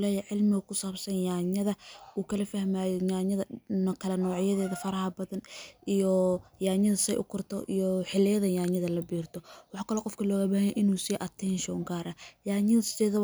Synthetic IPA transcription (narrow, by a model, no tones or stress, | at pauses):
lɛːjɛʕɪlmɪɣɐkʰʊsaːbsɐnjaːɲɐðɐuːkʰɐlɐfɐhmaːjjaːɲɐðɐkʰɐlɐnɔːʕɪjɐðɛːðɐfɐɾɐhɐbɐðɐnʔijɔjaːɲɐðɐsɛjʔʊ̰kʰʊrt̪ʰɔ̰ʔijɔħɪlːɪjɐðɐjaːɲɐðɐlɐbiːrt̪ʰɔwɑħɑːkʰɐlɔːqɔfkʰɐlɔːɣɐbaːhɐnjɛʔɪnuːsiːʔɐt̪ʰɛnʃɔ̰ːŋɡaːɾɐjaːɲɪsɛːðɐ